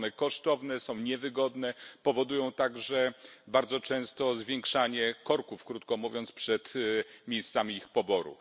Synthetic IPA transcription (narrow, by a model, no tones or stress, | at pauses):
nɛkɔʂt̪ɔvnɛsɔ̃w̃ɲɛvɘɡɔd̪nɛpɔvɔd̪ujɔ̃w̃t̪aɡʐɛbaɾd̪zɔt͡ʂɛ̃w̃st̪ɔzvʲjeŋkʂaɲɛkɔɾkufkɾut̪̚kɔmuvʲjɔnt̪spʂɛt̪mʲjejst̪samʲiixpɔbɔɾṵ